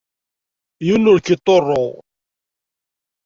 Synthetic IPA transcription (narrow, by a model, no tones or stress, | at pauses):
julːʊɾkːɪt̪ˤːorˤːoʁ